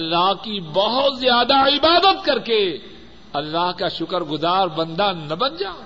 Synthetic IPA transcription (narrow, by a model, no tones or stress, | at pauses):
ɐlːaːɦkibɐɦʊt̪zjaːd̪aɪbaːd̪ət̪̚kɐɾke | ɐlːaːɦkaʃʊkəɾɡʊzaːɾbɐ̃nd̪anɐbɐnd͡ʒaː